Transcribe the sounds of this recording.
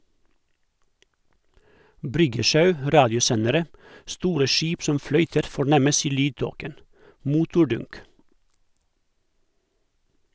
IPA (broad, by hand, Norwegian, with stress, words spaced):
ˈbɾʏɡəˌʃɑʉ ˈɾɑːdɪʊˌsɛnəɾə ˈstuːɾə ˈʃiːp ˈsɔm ˈflœʏtəɾ fɔˈɳɛməs ˈiː ˈlyːdˌtoːkən ˈmʊtʊˌɖʊnk